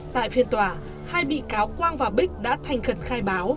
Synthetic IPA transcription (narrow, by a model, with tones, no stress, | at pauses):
t̪a̰ː˧˨jfi˧ənt̪waː˧˩ | haː˧jɓḭ˧˨kaː˨˦wkwaː˧nvaː˨˩ɓi˦˥k̟̚ɗa̰ː˧˥t̪ʰa˨˩jŋ̟xə˨˩nxaː˧jɓaː˨˦w